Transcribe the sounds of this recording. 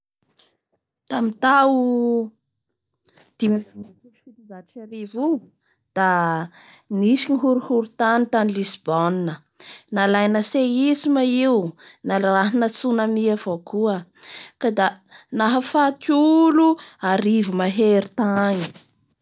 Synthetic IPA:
t̪amit̪awu | d̪̥imaamikuʃut̪izaʈ͡ʂi̥t͡ʃaɾivu | d̪̥a | nisiɲiɦuɾuhuɾut̪anit̪anilisb̥oninə | nalajnəseisimaiunalaɾaɦinət͡sunamiavokuə | kad̪a | naɦafat̪uluaɾivumaɦeɾit̪aɲi̥

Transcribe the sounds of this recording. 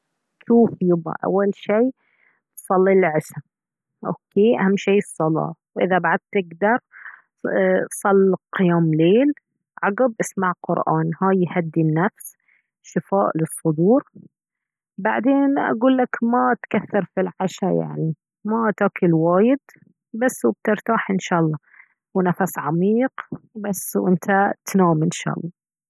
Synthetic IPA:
ʃuːfjʊba̰ʔa̰wːalʃiː | sˤɑlːilʕɪʃa | ʔo̰ːkeːʔahamːʃiːɨsˤːɑlɑ̰ːwʔɪðabaʕad̪̚t̪ɪɡd̪ɑɾˤ | sˤɑlːqɪjaːmleːl | ʕɑɡɪb̚ʔɪsmaʕqʊ̰ɾʔa̰ːnhaːjhad̪ːinːafs | ʃɪfaːʔlɨsˤːʊd̪uːɾ | baʕd̪eːnʔa̰ɡuːlːakmat̪kaθːɑɾfilʕaʃaja̰ʕni | mat̪aːkɪlwaːjɪd̪ | basːwb̚t̪ɪɾt̪aːħʔɪnʃɑːʔlˤːɑ | wnafasʕamiːqbasːwʔɪnt̪ʰat̪naːmɪnʃɑ̰ːʔɑ̰lˤːɑ

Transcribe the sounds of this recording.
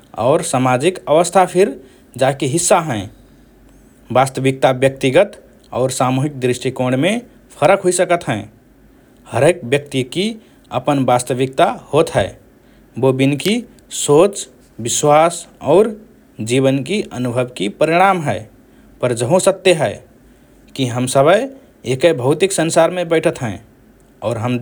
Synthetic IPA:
ɔ̰ʊɾsamad͡ʒikəʋəst̪ʰapʰiɾ | d͡ʒakeɦisːaɦɛ̃ | bast̪əbik̚t̪abjək̚t̪iɡət̪ | ɔ̰ːɾsamuɦik̚d̪ɾiʃʈikoɽme | pʰəɾəkɦoisəkət̪ɦɛ̃ | həɾek̚bjək̚t̪iki | ə̰pənbast̪əbik̚t̪ahot̪ɦɛe | bobinki | soːt͡ʃ | bɪswaːsɔːɾ | d͡ʒiβənkiʔənubʱəbkipəɾiɽ̃amɦɛ | pəɾd͡ʒəɦõsət̪ːeɦɛɪ | kiɦəmsəbəj | ekəbʱəɦʊt̪iksənsaɾmẽbɛɪʈʰət̪ɦɛ̃ | ɔːɾɦəm

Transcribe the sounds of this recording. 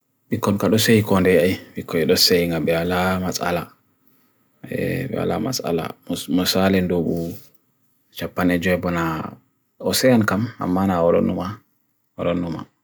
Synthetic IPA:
ɓikːɔnkaɗɔsejikɔndɛajɓikːɔɛɗɔsejiŋɡabɛwalamasa̰la | ɛ̰ɓɛ̰wa̰la̰ma̰sa̰la̰mmɔsalɛndoɓu | t͡ʃapːanɛd͡ʒɔɛbɔna | ɔsɛjankama̰mːanaɔlɔ̰numa | ɔlɔnːuma̰

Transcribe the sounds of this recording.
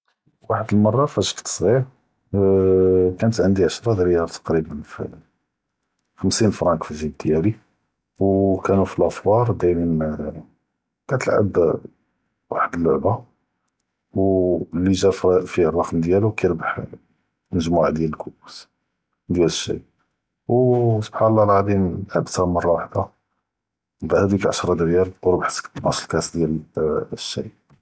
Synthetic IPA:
waħəd̪əlmɑrˤːɑfæʃkt̪sˤɣiɾ | kænət̪ʕənd̪iʕəʃɾˤɑd̪ɾəjɑɾˤt̪ɑ̥qɾibənfḭ | xəmsinfɾˤɑnkfiʒid̪jæli | wkænufilʔæfwɑɾˤd̪æjninmæ | kæt̪əlʕə̰b | wa̰ħəd̪əlːʊʕba | wlːiʒæffirˤːɑqnd̪jælukæjɾbaħ | məʒmuʕd̪jæləlkʰuus | d̪jæləʃːḭj | wsob̥ħanəlˤːɑɾˤɑʕd̪inlʕə̰bt̪mɑrˤːɑwaħd̪a | bhæd̪ikʕaʃɾˤɑd̪əɾjælwɾbaħt̪nɑslkæsd̪jælʃːḭj

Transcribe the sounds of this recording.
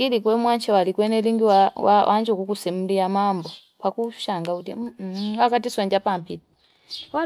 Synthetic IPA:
kilikwɛmwaɲt͡ʃɛwalikwɛnɛliŋɡiwawawʔa̰ɲd͡ʒukukusɛm̩lijamambɔ | pakuʃaŋɡautimwakatiswaɲd͡ʒapampiti | w

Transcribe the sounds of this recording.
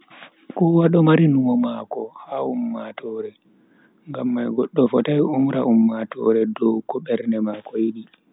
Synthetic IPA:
kɔwaɗɔmaɾinumɔmakɔhaumːatɔɾɛ | ŋɡamːajɡɔɗːɔfɔtajumɾaʔumːatɔ̰ɾɛdɔwkɔɓɛɾnɛmakɔjiɗi

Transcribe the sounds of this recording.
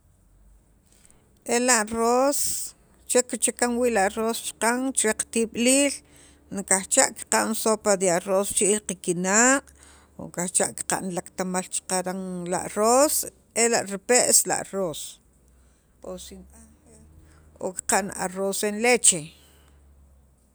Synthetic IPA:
ʔelaʔros | t͡ʃekit͡ʃakaŋwiːʔlaʔrost͡ʃqaŋt͡ʃɾeqt̪iɓliːl | nikaht͡ʃaʔki̥qaʔnsopad̪iaʔrost͡ʃiʔilqikinaqʼ | o̰ŋkaht͡ʃaʔki̥qa̰ʔnlakt̪amalt͡ʃqaɾaŋla̰ʔros | elaʔɾipeʔsla̰ʔros | osina | o̰ki̥qaʔna̰rosenlet͡ʃe

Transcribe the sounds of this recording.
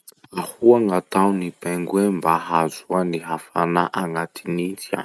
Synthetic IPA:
ahuaŋat̪awnib̥ɛŋɡwembaɦazuaniɦafanaʔaŋat̪ʰinit͡sia̰

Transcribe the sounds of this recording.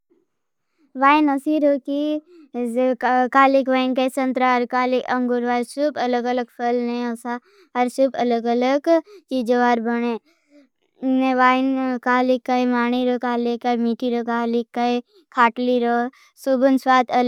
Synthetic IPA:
ʋaːinɐsiːɾoki | kaːlikʋaːjnkaisɐ̃nt̪ɾaɾkaːlikɐ̃ŋɡuɾʋaːjsubɐləɡələɡpʰəlneɐsa | ɐɾsubɐləɡələɡt͡ʃiːd͡ʒoʋaːɾbəɽ̃eː | neʋaːɪnkaːlikːaimaːñiɾokaːlekːamiːʈiɾokaːlikːai | kʰaːʈliɾo | subənswaːt̪ʰə

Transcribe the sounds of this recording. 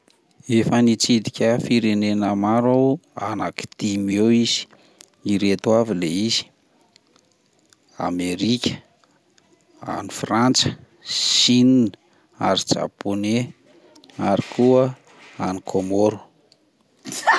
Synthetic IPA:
efənit͡sid̪ikʲəfiɾenenəmaɾaanaki̥d̪̥imewiz̥i̥ | iɾet̪wavileiz̥i̥ | a̰meɾikʲə̥ | a̰nifrant͡sə̥ | ʃinin | a̰ɾid͡ʒa̰pone | aɾikʰuə | anikʰomoɾu̥

